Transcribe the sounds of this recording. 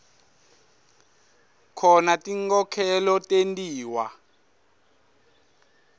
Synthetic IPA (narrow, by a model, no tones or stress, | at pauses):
kʰɔnatʼiŋkɔkʰɛlɔtʼentʼiːwa̰